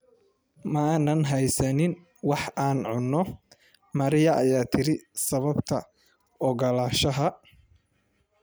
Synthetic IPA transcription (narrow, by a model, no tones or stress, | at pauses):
mɐːnɐnɦɛjsɐnɪn | wɑħaːnʕʊnːɔ | mɐɾɪjɐʔɐjaːt̪ʰɪɾɪsɐβɐbt̪ʰɐ | ɔɣɐlaːʃɐɦɐ